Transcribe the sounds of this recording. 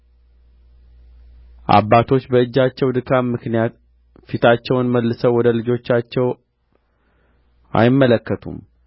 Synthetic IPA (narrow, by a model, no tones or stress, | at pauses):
ʔa̰bːat̪ʰo̞t͡ʃːbəɨd͡ʒːat͡ʃːɛwd̪ɨkʰammːɨknijat̪ | fit̪ʰat͡ʃːɛwnməlːɨsəwɔd̪əlɨd͡ʒo̞t͡ʃːat͡ʃːɛw | ʔa̰jɪmːələkːət̪ʰṵm